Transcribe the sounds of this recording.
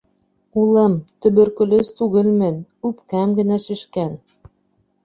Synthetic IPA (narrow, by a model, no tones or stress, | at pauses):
ulˠɤ̆mt̪ɵ̆βɵ̆ɾkɘ̆lɘst̪uɣɘ̆lmɘ̆nupkæmɡɘ̆næʃɘ̆ʃkæn